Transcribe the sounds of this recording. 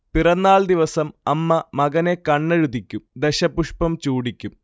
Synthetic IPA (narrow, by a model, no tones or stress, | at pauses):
pirɐnːaːɭd̪iʋɐsɐmɐmːɐmɐɣɐnekɐɳːɐɻud̪ikʲːumd̪eɕɐpːuʂpɐmt͡ɕuːɽikʲːum